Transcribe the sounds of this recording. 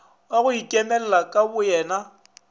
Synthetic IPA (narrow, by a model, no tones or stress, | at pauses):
waɣʊikʼɛmɛl̩lakʼabʊjɛːna